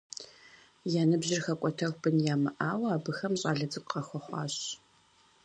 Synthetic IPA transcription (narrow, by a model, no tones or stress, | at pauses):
jaːnɨbʑɪrxɐkʷʼɔtʰɐrʷbɨnjaːmɨʔaːwɐaːbɨxɐmɕʼaːɮɐd͡zʼɨkʷʼqɐxʷɔχʷɑ̰ːɕ